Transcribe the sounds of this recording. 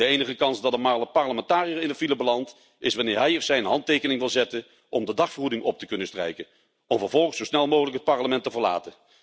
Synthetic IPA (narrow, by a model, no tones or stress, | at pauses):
dəejnəχəkɑnzdɑtəmaləpɑɹləmɛntaːrijəɪndətfiləbəlɑnt | ɪsʋɑnɪːɹɦɛjɔfsɛjənɦɑntejkənɪŋʋɪlˠzɛtən | ʔɔmdədɑχfərudɪŋʔɔp̚təkɵnəstrɛ̰jkən | ɔmvəɹvɔlˠχəsowsnɛlˠmoːχələkɦət̚pɑɹləmɛntəvəɹla̰ːtə